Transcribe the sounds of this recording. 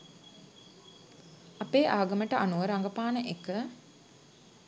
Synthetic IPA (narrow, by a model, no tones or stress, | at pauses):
apeːʔaːɡəməʈəʔanuʋəɾaŋɡəpaːnəʔekə